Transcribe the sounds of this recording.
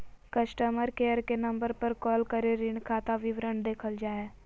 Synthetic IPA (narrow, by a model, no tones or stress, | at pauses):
kəsʈəməɾkeːəɾkenəmbəɾpəɾkɔːlkəɾeɾɪɳkʰaːt̪aʋiʋɾəɳd̪eːkʰəld͡ʒaːɛː